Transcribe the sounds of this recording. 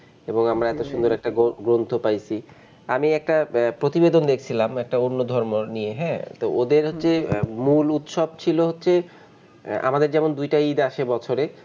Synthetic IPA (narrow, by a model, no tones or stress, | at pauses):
eboŋamɾaɛt̪oʃund̪oɾɛk̚ʈaɡoɡɾont̪ʰopajt͡ɕʰi | amiɛk̚ʈapɾot̪ibed̪ond̪ekʰt͡ɕʰilamɛk̚ʈaonːod̪ʱɔɾmonijeɦɛt̪ood̪eɾɦot̪ːɕʰemulut̪ʃɔb̚t͡ɕʰiloɦotːɕʰe | a̰mad̪eɾd͡ʑɛmond̪ujʈaid̪aʃebɔt͡ɕʰoɾe